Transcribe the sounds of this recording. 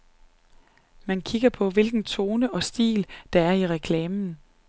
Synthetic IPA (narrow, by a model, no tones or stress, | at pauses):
mænkʰiɡ̥ɐpʰɒ̽ʋe̝lɡ̥n̩t͡sʰo̝ːnəʔɒ̽sd̥ḭːld̥ɑ̈æɐiʁɛkʰlɛːmn̩